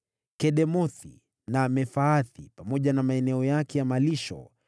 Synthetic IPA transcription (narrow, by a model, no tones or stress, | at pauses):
kɛɗɛmɔθḭ | namɛfaːθipamɔʄanamaɛnɛɔjakɛjamaliʃɔ̰